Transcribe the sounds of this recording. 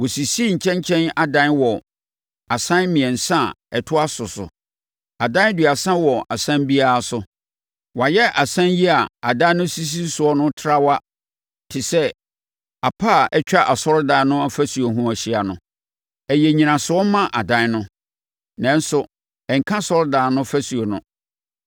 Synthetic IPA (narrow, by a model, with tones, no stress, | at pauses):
wɔ˨si˨si˦ɲ̩˨t͡ɕʰɛ̃˦ɲ˦t͡ɕʰɛ̃˦na˨dã˦nwɔ˨ | a˨sã˦n˦mĩ˨ɛ̃˨n̩˨sã˦˨ɛ˨tʰʊ˦a˦sʊ˨sʊ̰˨ | a˨dã˦n˦dɥa˨sã˦wɔ˨ʔa˨sã˦mbi˦a˦a˨sʊ˨ | wa˨jɛ˦ʔa˨sã˦nji˦a˨a˨dã˦nʊ̃˦si˦s̬i˦sʊ˨ɔ˦nʊ̃˦tʰɾa˦wa˦ | tʰɪ˨sɛ˦ | a˨pʰa˦˨ʔɛ˦t͡ɕᶣa˦ʔa˨sɔ˦ɾdãː˨˦nʊ̃˦a˦fæ˦su˨o˨ɦũ˦a˨ɕi˦a˨nʊ̃˦ | ɛ˨jɛ˨ɲĩ˨nã˨sʊ˨ɔ˦mã˦ʔa˨dã˦n˦nʊ̃˦ | nã˦n˦sʊ˨ | ɛ˨ŋ̩˨kʰã˦sɔ˦ɾdaː˨nʊ̃˦fæ˦su˨o˨nʊ̃˦